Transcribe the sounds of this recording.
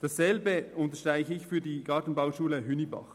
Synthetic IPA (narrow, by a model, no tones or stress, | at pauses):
d̥ɑsːɛlbəʊntəʃtʁ̥aɪçəɪçfyːɐdiːɡ̥ɑːtn̩baʊʃuːləɦʏnibɑ̰χ